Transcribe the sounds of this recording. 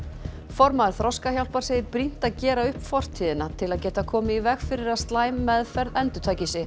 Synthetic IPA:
fɔɾmaɾ̥θɾɔwskaçjawl̥paɾ̥seːðɪɾpɾin̥t̪aðcɛːɾaʏhpfɔr̥t̪ʰiːðɪnat̪ʰɪlaðcɛːt̪aðkʰɔːmɪivɛxfɪɾɪɾaðst̪laːjmːɛðfɛɾðɛnt̪ʏt̪ʰaːjcɪsɪ

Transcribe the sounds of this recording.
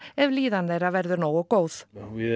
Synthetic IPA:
ɛvliːðand̪eɾavɛɾðʏnoːwɔɡowð̥

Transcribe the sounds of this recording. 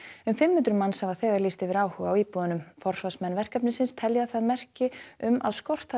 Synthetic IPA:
ʏmfɪmːhʏnt̪ɾʏmanshavaθɛːɣaɾliːst̪ɪvɪɾaːwhœɣaːwiːpuðanʏmfɔr̥svasmɛnːvɛr̥kapnɪsɪnst̪ʰɛljaθaðmɛr̥cɪʏmʔa̰ðskɔr̥t̪a

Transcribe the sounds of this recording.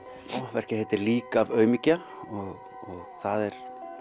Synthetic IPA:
ɔvɛr̥cɪhɛt̪ɪɾliːkaːvœːɥmica | ɔɣ | ɔɣθaðɛɾ̥

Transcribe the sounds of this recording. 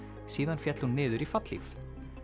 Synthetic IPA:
siːðanfjɛt̪lhunːɪːðʏɾifat̪lḭf

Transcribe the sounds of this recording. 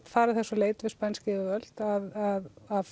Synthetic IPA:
t̪faːɾaθɛsːɔleːjt̪vɪspanscɪɪvœl̥t̪aðaðað

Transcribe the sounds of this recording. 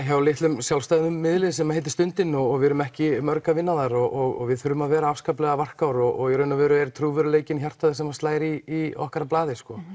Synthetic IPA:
çavalɪht̪lʏmsjalst̪ajðʏmːɪðlɪsɛmahejt̪ɪ̥st̪ʏnt̪ɪnːɔɣɔɣvɪɾʏmɛhcɪmœɾkavɪnːaðaɾɔʔɔɣɔ̰ɣvɪðθʏɾʏmaðvɛːɾaafskaplɛɣavar̥kawɾɔɣɔɣɛɾʏnːavɛːɾʏɛɾɪt̪ʰɾuːvʏɾʏleːjcɪnçjar̥t̪aðɪsɛmast̪aːjɾiːɔ̰hkaɾaplaːðɪskɔ

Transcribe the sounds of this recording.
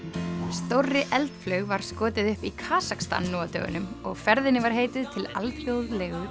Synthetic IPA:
st̪owrːɪʔɛlt̪flœːɥɣvaɾ̥skɔːt̪ɪðʏhpikʰaːsakst̪a̰nːɔːat̪œ̰ːɣʏ̰nʏmɔɣfɛɾðɪnɪvaɾ̥ɦeːjt̪ɪðt̪ʰɪla̰ltʰjowðlɛːɣʏ

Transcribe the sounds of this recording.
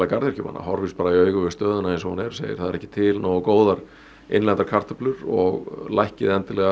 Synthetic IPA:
lakaɾðjɛɾ̥cʏpːa̰nːa̰hɔɾvispaːɾaiœːɥkʏvɪst̪œːðʏnaɛns̬ɔhanɛɾ̥sḛːjɪ̰̥θaðɛɾɛhcɪ̥t̪ʰɪlnoːwkoːwðaɾ | ḛjnlɛnt̪aɾkʰar̥t̪ʏplʏɾɔ̰ɣlajhcɪðɛnt̪ɪlɛɣa

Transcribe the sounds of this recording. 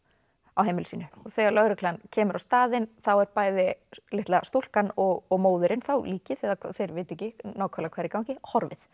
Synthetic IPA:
awɦejmɪlʏsiːnʏɔθɛːɣalœɣɾʏkʰlancʰɛːmʏɾawst̪aːðɪnθawɛɾpaːjðɪlɪht̪last̪ul̥kanɔɣɔɣmoːwðʏɾɪnθawliːcɪθɛðakʰθeɾvɪːjt̪ɛcɪnaːwkʰalakʰvaːɾɪkawncɪhɔɾvɪ̰θ

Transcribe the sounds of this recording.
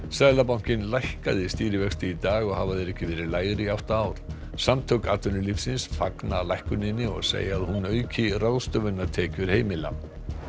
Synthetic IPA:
sɛðlapawŋ̥cɪnlajhkaðɪst̪iːɾɪvɛkst̪ɪit̪aːɣɔɣhavaðɛɾɛhcɪvɛːɾɪɾlaːjɾɪawht̪aaːwɾ̥ | samt̪ʰœwkaːt̪ʏnʏlifsɪnsfaknalajhkʏnɪnːɪɔ̰ɣsḛːjaːðhunœːɥcɪrawðst̪œvʏnːaɾ̥t̪ʰɛːcʏɾ̥heːjmɪlːa̰

